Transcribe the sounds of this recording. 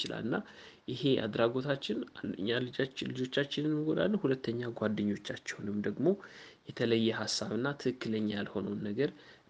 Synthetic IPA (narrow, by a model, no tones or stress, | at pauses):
t͡ʃɪla̰lɨnːa | ʔɪhe̞ʔa̰d̪ɾaɡo̞t̪ʰat͡ʃːɪna̰nd̪əɲːalɨd͡ʒat͡ʃːlɨd͡ʒo̞t͡ʃːat͡ʃːɪnɨnmɨɡo̞d̪a̰lːhulət̪ʰːəɲːaɡʷad̪ːɨɲːo̞t͡ʃːat͡ʃːɛwnɨmd̪əɡmo̞ | jɛt̪ʰələjːɛɦasːaβɨnːat̪ʰɨkɨkːɨləɲːajalho̞nəwnːəɡəɾ